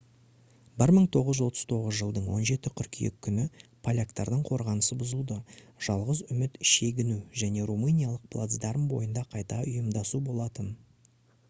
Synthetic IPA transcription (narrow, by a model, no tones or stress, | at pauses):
bɪɾməɴt̪ʰo̞ʁəzʒwo̞t̪əz̥t̪ʰo̞ʁəzʒəlˠd̪əɴwo̞̰nʒe̞t̪ɪqʲʰʏɾkʲʰijɪ̰kʲʰːʏnɪpʰalʲakt̪ɑɾd̪əɴqʰo̞ɾʁɑnəsəbʊzəlˠd̪əʒ̥ɑlˠʁəzʏmɪt̪ʃe̞ɡʲɪnuʒæne̞ɾumɨnʲijalˠəq̚pʰlˠa̰t̪zd̪ɑɾəmbo̞̰jənd̪ɑqʰɑjt̪ɑʊjəmd̪ɑsubo̞lˠɑt̪ən